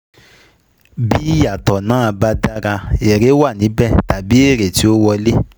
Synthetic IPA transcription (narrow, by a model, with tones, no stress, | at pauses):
bi˦ja˨tɔ˨nãː˨˦a˧ba˧˦da˦ɾa˧e˨ɾe˨˦wa˦˨nĩ˨˦bɛ˦˨ta˨bi˨˦e˦˨ɾe˨ti˨˦o˦wɔ˧le˦